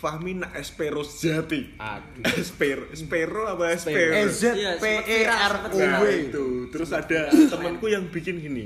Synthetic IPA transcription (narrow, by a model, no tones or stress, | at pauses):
fahminaʔɛspeɾosd͡ʒ̥at̪ia̰̥ | ɛspeɾoɛspeɾoapaɛspeɾd͡ʒapeaarowet̪ut̪əɾʊsad̥at̪əmənkujaŋb̥i̤kɪnkinḭ